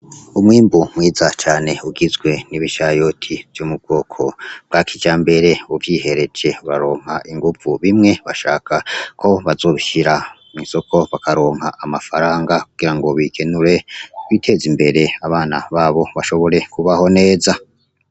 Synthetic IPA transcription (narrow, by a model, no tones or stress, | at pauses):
umwiːmbumwiːzat͡ʃaːne̞uɡizɡwe̞niβiʃajo̞tʰivjomub̚ɡo̞ːkʰo̞̰b̚ɡakʰid͡ʒaːmbe̞ɾe̞uvjiːhe̞ɾed͡ʒe̞βaɾo̞ːŋ̥ɦaʔiŋɡuvuβimŋe̞βaʃaːkakʰo̞βazo̞ːβiʃiɾa | minso̞ko̞βakaɾo̞ːŋ̥ɦaʔːmafaɾaːŋɡakuɡ̥iɾaŋɡo̞βikʰe̞nuɾe̞wiːtʰe̞ːzimbe̞ɾe̞aβaːna̰βaːβo̞βaʃo̞βo̞ɾe̞kuβaho̞ne̞ːza